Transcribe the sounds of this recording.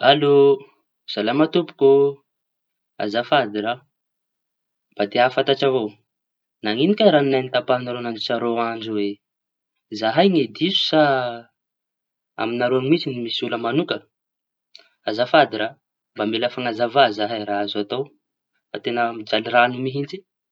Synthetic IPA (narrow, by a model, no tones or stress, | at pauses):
alo | z̥alamat̪upu̥ko | a̰zafad̪iɾa | b̥ad̪eafat̪aʈ͡ʂavow | naŋinikʲaɾaninajnit̪apaɦnaɾonand͡ʒisaɾowand͡ʒuwe | zaɦajŋed̪isu̥sa | a̰minaɾoanimit͡sinimisuləmanukə | azafad̪iɾa | mbamelafaŋazavazaɦajɾaazat̪ow | fat̪enəmid͡ʒaliranumiɦind͡zi